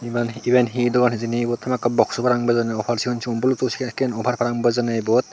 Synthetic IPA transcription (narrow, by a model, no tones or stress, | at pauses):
ibanibenɦidɔɡanhizinibɔtːamakːabɔksɔpʰaɾaŋbazanaɔpʰaɾsihɔnsiɔnbɔlutɔskɛnɔpʰaɾpʰaɾaŋbazanajbɔt̚